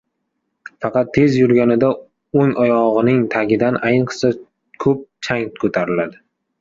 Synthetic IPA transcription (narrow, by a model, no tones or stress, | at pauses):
fɑqʰɑt̪ʰːe̞zjʊɾɡʲanɪd̪a | oŋɒjɒʁɨnɪŋt̪ʰaɡʲɪd̪anʔajnɨqsa | kʰɵp̚t͡ʃʰaŋkʰɵt̪ʰaɾɪlad̪ɪ